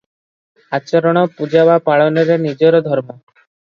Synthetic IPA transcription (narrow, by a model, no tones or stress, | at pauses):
at͡ʃɔɾɔɽ̃ɔpud͡ʒabapaɭɔnɔɾenid͡ʒɔɾɔd̪ʱɔɾmɔ